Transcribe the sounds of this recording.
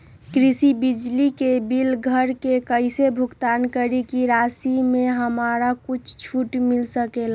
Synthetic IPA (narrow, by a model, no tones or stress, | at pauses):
kɾisibid͡ʒlikebilɡʱəɾkekəɪsebʱʊɡt̪aːnkəɾikiɾaːsimẽɦəmaːɾakʊt͡ʃʰt͡ʃʰuʈmɪlsəkela